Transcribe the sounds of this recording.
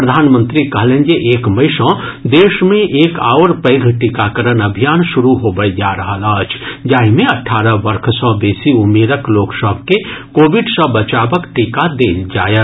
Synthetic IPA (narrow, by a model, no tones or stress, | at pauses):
pɾəd̪ʱaːnmənt̪ɾikəɦlẽnd͡ʒeʔeːkməɪsə̃d̪eːʃmẽʔeːka̰ːoɾpəɪɡʱʈikakəɾənəbʱijaːnʃuɾuɦobəjd͡ʒaɾəɦələət͡ʃʰd͡ʒaːimẽəʈʰːaːɾəbəɾkʰsɔ̃beːsiumeːɾəkloːksəbʱkekoːbiɖsə̃bət͡ʃaːbəkʈikad̪eld͡ʒaːjə